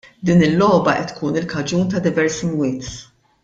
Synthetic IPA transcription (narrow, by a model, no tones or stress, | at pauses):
d̪iːnɪlːɔːbɐʔɛt̪ːkʰuːnɪlkɐd͡ʒuːnt̪ɐd̪ɪvɛɾsimwɪːt̪